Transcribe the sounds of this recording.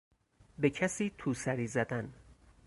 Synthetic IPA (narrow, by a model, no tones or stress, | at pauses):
becʰæsiːt̪ʰuːsæɾiːzæd̪æn